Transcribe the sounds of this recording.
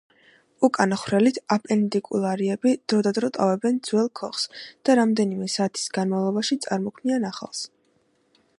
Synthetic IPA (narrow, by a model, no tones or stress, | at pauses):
ukʼanaχwɾɛlit̪ʰapʼɛnt̪ʼikʼulˠaɾiɛbid̪̥ɾɔd̪ad̪ɾɔt̪ʼa̰vɛbɛnd̪zwɛlˠkʰɔχsd̪̥aɾamd̪ɛnimɛsaːt̪ʰi̥sɡ̥anmavlˠɔbaʃit̪sʼaɾmɔkʰmnianaχa̰lˠs